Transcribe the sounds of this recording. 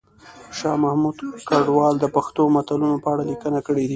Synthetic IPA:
ʃɑmahmud̪kaɖwɑld̪əpaxt̪omat̪alunopəaɽalikənakəɽed̪i

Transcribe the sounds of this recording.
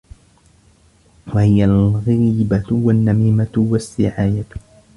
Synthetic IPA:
wahɪjalɣiːbawanːamiːmawasːɪʕaːja

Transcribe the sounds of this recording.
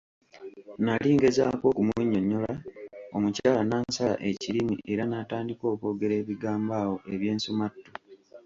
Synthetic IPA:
naliːŋɡe̞za̰ːko̞ːkumuɲːo̞ɲːo̞lao̞mucaːlanaːnsala̰ʔe̞cilimḭʔe̞ɾanataːndiko̞ːko̞ːɡe̞ɾe̞ːβiɡaːmbaːwo̞ʔeβje̞ːnsumatːo

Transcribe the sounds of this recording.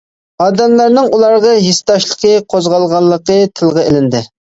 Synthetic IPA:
ɑːd̪ɛmlˠæɾnɪŋulˠɑɾʁɑɦist̪ɑʃlˠəqʰəqʰozʁɑlˠʁɑlˠːəqət̪ʰɨlˠʁɑelɪnd̪ɪ

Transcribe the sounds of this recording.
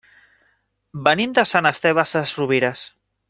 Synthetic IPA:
bənimd̪asanast̪eβasasruβiɾas

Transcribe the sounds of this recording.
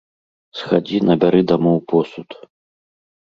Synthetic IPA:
sxad͡zʲinɐbʲaɾɨd̪amɔwpɔsut̪

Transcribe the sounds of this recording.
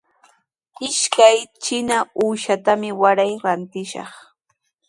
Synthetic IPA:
ɪʃkajt͡ʃɪnauːʃat̪amɪwaɾajɾant̪ɪʃɑ̰χ

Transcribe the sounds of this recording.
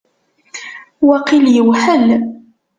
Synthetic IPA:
wæqiljəwħəl

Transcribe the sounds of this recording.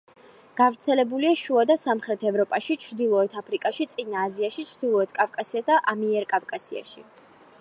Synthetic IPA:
ɡ̥avɾt̪sʰɛlɛbuliaʃuad̪asamχɾɛt̪ʰɛvɾɔpʼaʃit͡ʃʰɾd̪ilˠɔɛt̪ʰapʰɾikʼaʃit̪sʼinaːziaʃit͡ʃʰɾd̪ilˠɔɛt̪ʰkʼavkʼasiasd̪aʔamiɛɾkʼavkʼasia̰ʃi

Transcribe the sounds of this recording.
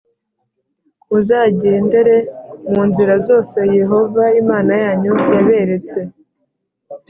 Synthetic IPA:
uzaːɟe̞ːnde̞ɾe̞muːnziɾazo̞ːse̞je̞ɦo̞vaimaːnajaːɲujaβe̞ɾe̞t͡se̞

